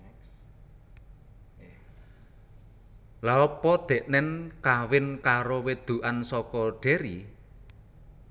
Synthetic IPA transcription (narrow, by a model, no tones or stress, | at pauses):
laɔpɔd̪̥e̤ʔnɛnkawɪnkaɾowed̪̥ṳʔansɔkɔɖ̥e̤ɾi